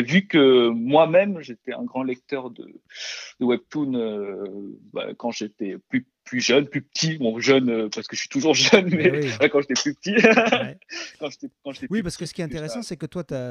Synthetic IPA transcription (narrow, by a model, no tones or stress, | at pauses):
vykəmwamɛmʒet̪ɛɛ̰̃ɡʁɑ̃lɛk̚t̪œʁd̪ə̰d̪̥əwɛb̚t̪unø | ba̰kɑ̃ʒet̪ɛply | plyʒœnplypə̥t̪ʰimɔ̃ʒœnøpaʁsə̥kəəsi̥t̪uʒuʁʒənmɛfɛkɑ̃ʒet̪ɛplypət̪i | kɑ̃ʒet̪ɛkɑ̃ʒet̪ɛwipaʁsə̥kəsə̥kiɛt̪ɛ̃t̪eʁɛssɑ̃sɛkət̪wat̪ya